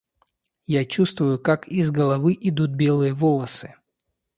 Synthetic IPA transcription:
jat͡ɕust̪vʊjʊkakizɡəlˠɐvɨʔɪd̪ut̪̚bʲelˠɨjəvolˠəsɨ

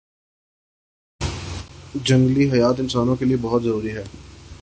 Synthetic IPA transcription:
d͡ʒɐ̃ŋɡliɦɐjaːt̪̬ɪnsaːnõkeliebɐɦʊt̪zɐɾuːɾiɦɛː

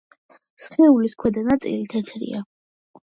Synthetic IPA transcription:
sχnɛuliskʰwɛd̪anat̪sʼḭlit̪ʰɛt̪sʰɾḭa

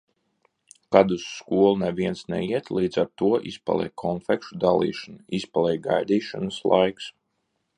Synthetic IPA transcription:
kad̪usːkuɔlˠunɛvʲiɛnsnɛ̰iɛt̪lˠiːd̪zaɾt̪uɔʔispa̰lˠɛ̰jkʰɔnfɛkʃud̪alˠḭːʃanispalˠɛjɡajd̪iːʃanɨslˠa̰jks

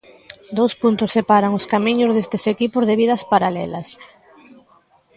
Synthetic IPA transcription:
d̪owspunt̪ʊsːepaɾaŋʊskamiɲʊzð̞est̪esekipʊzðeβið̞ɐspaɾalɛ̰lɐs

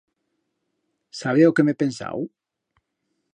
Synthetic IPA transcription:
saβ̞ewkemepensa̰w

